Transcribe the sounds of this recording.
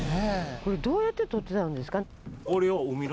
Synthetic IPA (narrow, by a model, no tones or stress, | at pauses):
eko̞ɾe̞d̪o̞ːjat̪ːet̪o̞t̪ːeaɯ̃nd̪e̞sɨ̥ka | oɾeoɯmʲin